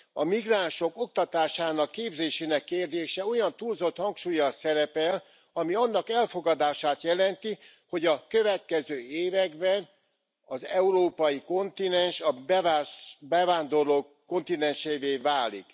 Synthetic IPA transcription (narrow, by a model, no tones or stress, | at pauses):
ɒmiɡraːnʃo̞ko̞k̚t̪ɒt̪aːʃaːnɒkːeːbzeːʃeːnɛkːeːrd̪eːʃɛo̞jɒnt̪uːlzo̞t̪hɒŋkʃuːjɒsɛɾɛpɛl | ɒmiɒnːɒkɛlfo̞ɡɒd̪aːʃaːt̪jɛlɛnt̪i | ho̞ɟɒkøvɛt̪̚kɛzøːeːvɛɡbɛn | ɒzɛuɾoːpɒjiko̞nt̪inɛnʃɒbɛvabɛvaːnd̪o̞rloːkːo̞nt̪inɛnʃeːveːvaːlḭk